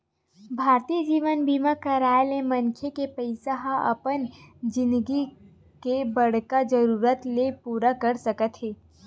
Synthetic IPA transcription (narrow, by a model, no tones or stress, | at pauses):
bʱaːɾt̪iːd͡ʒiːʋənbiːmakɐɾaːelẽmɐ̃nkʰjekepəɪsaɦaɐ̰pənd͡ʒɪ̃nd̪ɡi | kebɐɽ̤kad͡ʒəɾuːɾət̪lepuːɾakɐɾsɐkət̪ɦeː